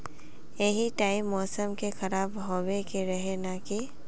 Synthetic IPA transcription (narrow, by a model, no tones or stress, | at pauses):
jeɦiʈaːɪmːɔːsəmkexɐɾaːbɦoːwekeɾɐɦenaki